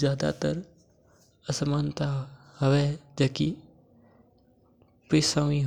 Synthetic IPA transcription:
zjaːd̪a̰ːt̪əɾ | əsəmaːnt̪a | həʋeːd͡ʒəːki | pɪsaʋĩːɦ

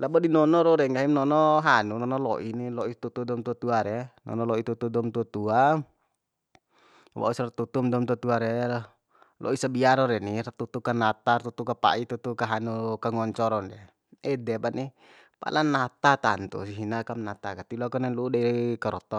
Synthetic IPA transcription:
labɔdinɔnɔɾɔɾɛŋɡaɦimnɔnɔɦanunɔnɔlɔ̰ʔinilɔit̪ut̪udɔmt̪uat̪uaɾɛnɔ̰nɔlɔit̪ut̪udɔmt̪uat̪ua | wa̰usrat̪ut̪umdɔmt̪uat̪uaɾɛ | lɔ̰isabiaɾɔɾɛnirat̪ut̪ukanat̪art̪ut̪ukapa̰it̪ut̪ukaɦanukaŋɔɲt͡ʃɔɾɔndɛ | ɛdɛbani | pa̰lanat̪at̪a̰nt̪ṵsiɦinakamnat̪akat̪ilakɔnɛludaikaɾɔt̪ɔ

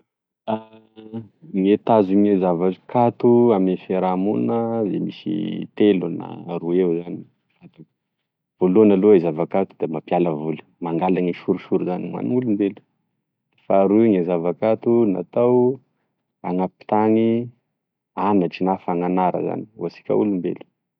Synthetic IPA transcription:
a | ŋet̪azuŋezavakat̪uamiefeɾamunəzemisḭt̪eluna̰ɾuewzani | at̪u | volonaloezavakat̪ud̪̥emapialəvulu̥maŋɡalaŋiʃuɾuʃuɾuzanimwa̰niulumbelu̥ | faɾuŋezavakat̪una̰t̪aw | aŋapi̥t̪aŋi | anət͡ʃinafaŋanaɾə̰za̰ni̥wasi̥kʲa̰ulumbḛlu̥

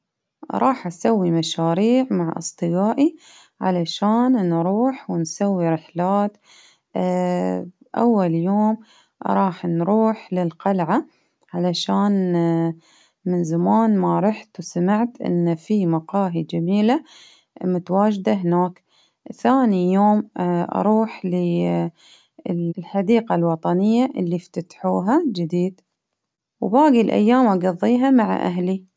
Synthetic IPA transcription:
ɾˤʔɑːħʔasawːimaʃaːɾiːʕmaʕʔɨ̰sˤt̪ˤɨɡaːʔi | ʕa̰laʃaːnnɾuːħwɪnsawːiɾɪħlaːt̪ | ʔa̰wːaljoːm | ɾˤɑːħnɾuːħlɪlqalʕa | ʕalaʃaːn | mɪnzamaːnmaɾˤɑħt̪wsamaʕt̪ʔɪ̰nːafimɑqɑːɦid͡ʒamiːla | mʊt̪awaːd͡ʒd̪aɦɪnaːk | θaːnijoːmʔɑ̰ɾˤuːħli | lħad̪iːqalwɑt̪ˤɑnɪjːaʔɪlːift̪at̪ħuːɦad͡ʒɪd̪iːd̪ | wbaːɡilʔa̰jːaːmʔɑɡɑðˤːiːɦamaʕa̰ʔa̰ɦli

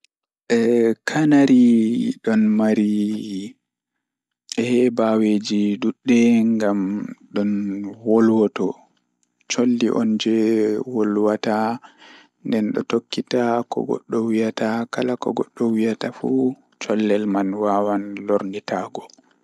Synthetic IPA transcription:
ʔɛkʰanaɾiɗɔnmaɾi | ɛhɛbawed͡ʒiduɗːɛŋɡamɗɔnwolwɔtɔ | t͡ʃolːiʔɔnd͡ʒɛwolwata | ndɛnɗɔ̰tokːitakɔ̰ɡɔ̰ɗːɔwijatakalakɔɡɔɗːɔwijatafu | t͡ʃɔlːɛlmanwawanloɾnitaɡɔ

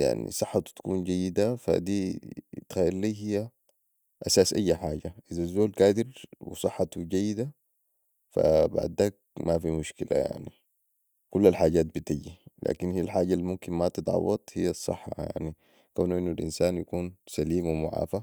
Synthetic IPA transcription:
ja̰ʕnḭsˤɨħːɑt̪t̪ḁkuːnɟajːid̪afa̰d̪iːt̪xaːʔɾliːɦijːa | ʔasaːsʔajːaħaːɟaʔizazːoːlkaːd̪iɾwḭsˤɨħːɑt̪wiɟajːid̪a | fa̰ba̰ʕd̪aːk̚mafimuʃkila̰ja̰ʕni | kulːalħaːɟaːt̪̚bit̪ajːilʔa̰ːkinhijːalħaːɟalːimumkinmat̪ɨd̪ˤʕɑ̰wɑt̪ˤhijːasˤːɨ̰ħːɑ̰jja̰ʕni | kawnuʔinːulʔḭnsaːnjakuːnsaliːmwimʊʕa̰ːfa

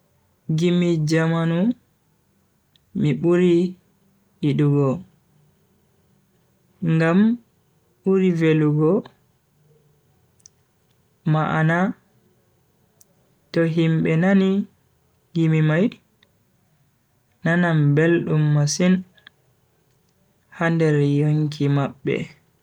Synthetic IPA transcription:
ɡimid͡ʒamanu | miɓuɾi | iɗuɡɔ | ŋɡam | ɓuɾiveluɡɔ | maʔana | tɔɦimɓɛnani | ɡimimaj | anambelɗumːasin | handɛɾjoŋkʰimaɓːɛ̰

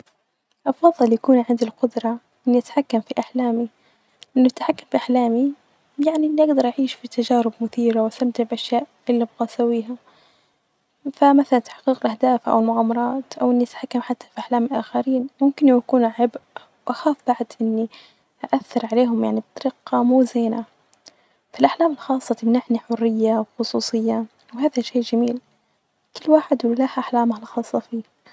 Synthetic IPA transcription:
ʔɑfɑðˤːɨljakuːnʕɪnd̪ɪlqʊd̪ɾˤɑ | ʔɪnːiʔat̪ḁħakːamfiʔaħlaːmi | ʔɪnːʊat̪ḁħakːamfiʔaħlaːmi | jaʕniʔɪnːiʔaɡd̪ɑɾˤʔaʕiːʃfit̪ad͡ʒaːɾɪbmʊθiːɾawʔast̪amt̪ɪʕbʔaʃjaːʔʔɪlːibɣaːsawiːɦa | famaθalant̪ḁħqiːqɪlʔahd̪aːfʔa̰wɪlmʊɣaːmːɑɾˤɑːt̪ʔawʔɪnːiʔat̪aħakːamħat̪ːḁfiʔaħlaːmilʔaːxaɾiːnmʊmkɪnwʔakuːnʕɪbʔ | wʔaxaːfb̥aʕd̪ʔɪnːi | ʔaʔaθːɑɾˤʕaleːɦʊmjaʕnib̚t̪ˤɑɾɪqːɑmuːzeːna | filʔaħlaːmɪlxɑːsˤːɑt̪ɪmnaʕniħʊrːɪjːawxʊsˤuːsˤɨjːa | wɦaːðaʃeːʔd͡ʒamiːl | kɪlːwaːħɪd̪wlaħʔaħlaːmhalxɑːsˤːɑfiː

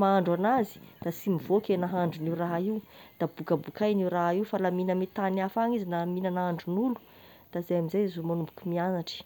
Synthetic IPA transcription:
maaɳɖ͡ʐanazi̥d̪̥asimivokʲenaɦaɳɖ͡ʐuniraɦaiwd̪̥abukəbukʰajniwɾaɦiwfalaminəmet̪anafaŋizinaminanaaɳɖ͡ʐunulu̥ | d̪̥azajamizajzomanumbu̥kumianaʈ͡ʂi̥

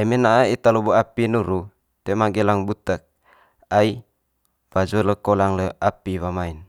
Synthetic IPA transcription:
ɛmenaʔait̪aloboapinuɾu | t̪emaɡelaŋbut̪ək̚ | ai | w̥ad͡ʒoləkolaŋləapiwamain

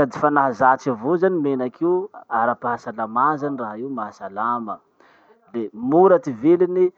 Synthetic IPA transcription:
ad̪i̥fanaɦazat͡savuzanimenakʰiaɾapaɦasalamazaniraɦiwmaɦasalamə | lemuɾat̪ivelini

